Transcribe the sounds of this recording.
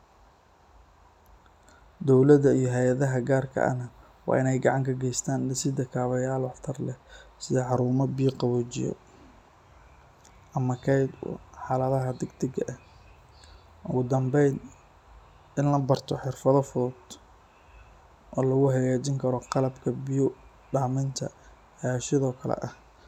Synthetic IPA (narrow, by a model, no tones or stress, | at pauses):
d̪ɔwlɐðɐijɔɦɛjɐðɐɦɐɡaːrkʰɐ̰ʔɐ̰nɐ | wɑ̰ːɪnɛjɡɑʕɑŋkʰɐɡɛjst̪ʰaːnɪsɪd̪ɐkʰaːβɐjaːlwɑħt̪ʰɐrlɛsɪðɛħɑɾuːmɐbiːqɑβɔːt͡ʃɪ̰jɔ̰ | ʔɐmɐkʰɛjd̪̰ħɑlɐðɐɦɐd̪ɛɡd̪ɪɡɐʔɐ | ʔʊɣʊd̪ɐmbɛjn | ɪnlɐbɐrt̪ʰɔħɪrfɐðɔfɔd̪ | ʔɔːlɐɣʊhɐjaːt͡ʃɪŋkʰɐɾɔqɑlɐbkʰɐbɪjʊ | ɖaːmɪnt̪ʰɐ̰ | jaːʃɪðɔːkʰɐlɛ̰ʔɐh